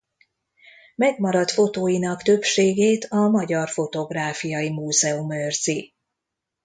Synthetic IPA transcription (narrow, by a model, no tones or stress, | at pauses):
mɛɡmɒɾɒt̪fo̞t̪oːjinɒkt̪ø̞pʃeːɡeːt̪ʰɒmɒɟɒrfo̞t̪o̞ɡraːfijɒjimuːzɛumørzi